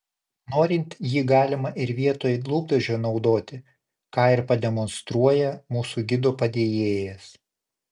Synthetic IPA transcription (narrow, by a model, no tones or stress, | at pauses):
noːɾʲɪnʲt̪jiːɡɑːlʲɪmɐʔɪɾʋʲiɛt̪oːjlˠuːb̚d̪ɐʒʲoːnɒʊd̪oːt̪ʲɪ | kɑːɪɾpɐd̪ʲɛmɔnst̪ɾuɔjɛmuːsuɡʲɪd̪oːpɐd̪ʲeːjeːjɛs